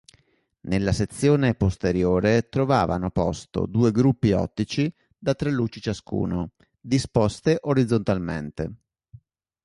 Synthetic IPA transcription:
nelːaset̪sːjoːnepost̪eɾjoːɾet̪ɾovaːva̰nopɔst̪o̰d̪uːeɡɾupːiɔ̰t̪ːit͡ʃi | d̪at̪ːɾelːuːt͡ʃit͡ʃaskṵːno | d̪ispɔst̪eʔoɾid̪zːont̪almḛnt̪e

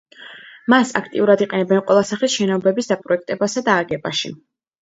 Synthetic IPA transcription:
masa̰kʰt̪ʼḭuɾad̪iqʼɛnɛbɛnqʼwɛlˠasaχisʃɛnɔbɛbisd̪apʼɾɔɛk̚ʰt̪ʼɛbasad̪aːɡɛba̰ʃḭ

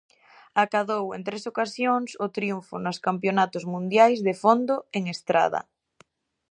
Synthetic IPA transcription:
akaðowent̪ɾesokasjoŋsʊt̪ɾiuɱfʊnʊskampjonat̪ʊzmũnd̪jajzðefond̪oeŋest̪ɾa̰ðɐ̰

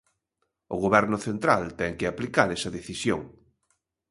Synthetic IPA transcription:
ʊɣoβɛɾnʊθent̪ɾalt̪ɛŋkɪaplikaɾɛsɐðeθisjo̰ŋ

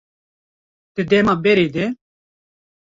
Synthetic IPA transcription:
t̪ɨd̪ɛmaːbɛɾeːd̪ɛ

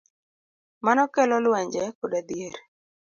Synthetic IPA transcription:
manɔkɛlɔlwɛɲd͡ʒɛkɔdad̪ijeɾ

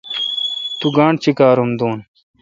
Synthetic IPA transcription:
t̪uɡãːɳɖt͡ɕʰikaːɾumd̪uːn

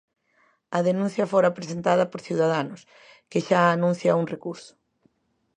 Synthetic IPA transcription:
ɐðenũn̟θjɐfoɾapɾesent̪að̞ɐpoɾθjiwðaðanʊs | keʃaːnũn̟θjɐuŋrekuɾsʊ̥

